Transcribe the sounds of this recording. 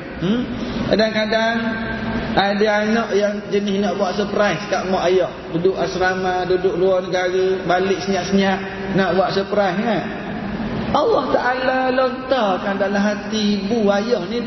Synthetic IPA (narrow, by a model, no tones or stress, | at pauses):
kadaŋkadaŋ | adaanɔʔjaŋd͡ʒənɪhnɔʔbuaʔsəpɾajssəkaʔmɔʔajɔʔ̚dudʊʔasɾamadudʊʔ̚luɔnəɡaɾəbalɪʔsəɲaʔsəɲaʔ | nɔʔbuaʔsəpɾajsŋaʔ | ɑlːɔht̪aʔalalɔnt̪ɔkandalamɦat̪ibuajɔʔni